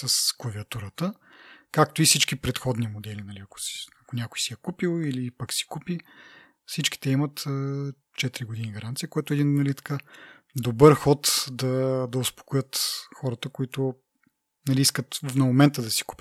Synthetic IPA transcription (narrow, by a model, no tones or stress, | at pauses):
sɐskɐviɐt̪uɾət̪ə | kak̚t̪oifsit͡ʃkipɾɛt̪xɔd̪nimod̪ɛlinɐliɐko̥si̥ɐkonʲakʊjsijɛkupilˠilipəksi̥kupi | fsit͡ʃki̥t̪ɛimət̪ə | t͡ʃɛt̪iɾiɡod̪iniɡɐɾant̪sijəkojɛt̪ʊɛd̪innɐlit̪ɐ̥ka | d̪obəɾxɔt̪d̪ɐd̪ɐʊspo̥kojət̪xɔɾət̪əkoit̪ʊ | nɐliiskət̪nɐmomɛnt̪əd̪ɐsi̥ku̥pʲət̪